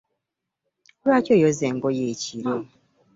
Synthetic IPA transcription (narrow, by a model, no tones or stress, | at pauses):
oɾwaːcojozeŋɡojeciɾo